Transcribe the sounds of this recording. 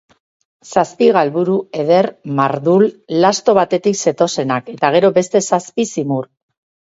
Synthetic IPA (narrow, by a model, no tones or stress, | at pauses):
saspiɣ̞alβuɾue̞ð̞e̞ɾmaɾðulːast̪o̞βat̪e̞t̪ikse̞t̪o̞se̞nake̞t̪aɣ̞e̞ɾo̞be̞st̪e̞saspisimuɾ